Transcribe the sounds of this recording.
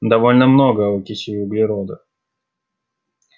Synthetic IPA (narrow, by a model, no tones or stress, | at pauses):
d̪ɐvo̞lʲnəmnoɡəʊkʲɪɕɪjʊblʲɪɾod̪ɨ